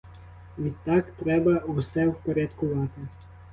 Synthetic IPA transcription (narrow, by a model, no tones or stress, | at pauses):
it̪akt̪ɾɛbausɛwpɛɾʲat̪kɔʋaːt̪ɪ